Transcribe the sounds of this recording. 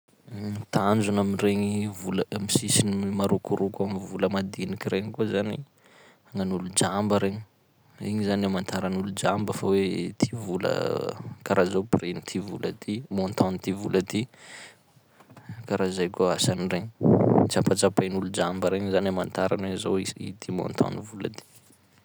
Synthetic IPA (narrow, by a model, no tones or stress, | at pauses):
t̪and͡zunaminreɲivuləmisisinimaɾukuɾukʲamivuləmad̪inikiɾeŋkuzanḭ | aŋanulud͡ʒambəɾeɲi | iɲizanamant̪ʰaɾanulud͡ʒambəfawet̪ʰivulə̰kaɾazoprenit̪ʰivulət̪imont̪ʰɔ̃nit̪ivulət̪i | kaɾazajkʲaasanireɲit͡sapat͡sapanulud͡ʒambəɾeɲzanamant̪aɾanwezoiḭt̪ʰimo̰nt̪ʰɔ̰nivula̰t̪i̥